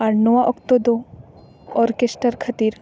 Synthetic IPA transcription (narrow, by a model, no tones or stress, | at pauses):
aɾnoʋaʔɔkt̪od̪o | ɔɾkesʈəɾkʰɐt̪iɾ